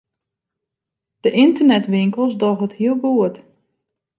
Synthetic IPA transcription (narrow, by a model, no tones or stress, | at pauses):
d̥əʔɪntərnɛtʋɪŋkəlˠsdɔɣəthiəlˠbuət